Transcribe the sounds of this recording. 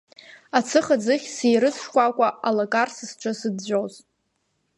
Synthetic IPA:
at͡sʰɨχad͡zɨχʲsijɾɨt͡sʰʂkʷʼakʷʼaʔalakʼarsɨsʈ͡ʂʷʰasɨdd͡ʒʷoz

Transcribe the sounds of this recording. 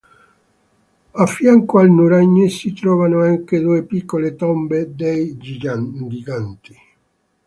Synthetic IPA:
afːjaŋkoalnuɾaɲːisit̪ɾɔːvanoaŋked̪uepikːolet̪ɔmbed̪ejd͡ʒad͡ʒiɡant̪i

